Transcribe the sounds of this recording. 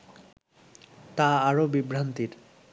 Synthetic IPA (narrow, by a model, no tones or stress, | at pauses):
t̪aaɾobibɾant̪iɾ